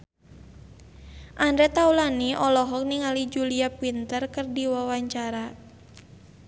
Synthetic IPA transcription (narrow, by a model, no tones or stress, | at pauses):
ʔandɾɛt̪aulaniʔɔlɔɦɔk̚niŋalid͡ʒuliapwint̪ərkərdiwawaɲt͡ʃaɾa